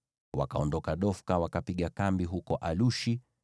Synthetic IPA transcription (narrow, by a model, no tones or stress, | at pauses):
wa̰kaɔndɔkaɗɔfkawakapiɠakambiɦukɔʔaluʃi